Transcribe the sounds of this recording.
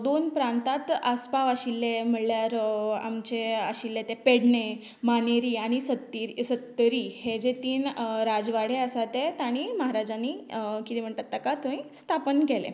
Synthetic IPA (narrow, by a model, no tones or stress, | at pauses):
d̪onpɾãnt̪at̪aspaʋaɕilːem̤əɽljaɾa̰mt͡ɕeə̰ɕilːet̪epeɽɳe | maneɾiːaɽ̃isət̪ːiɾsət̪ːəɾiːhed͡ʑet̪iːnɾad͡zʋaɽ̤eəsat̪et̪aɽ̃iməɦaɾad͡ʑanikit̪em̤əɳt̪at̪ːakat̪õĩst̪ʰapənɡɛlḛ